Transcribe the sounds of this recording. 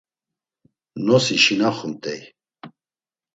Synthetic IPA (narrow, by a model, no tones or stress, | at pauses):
nɔsiʃinaχumt̪ʼɛj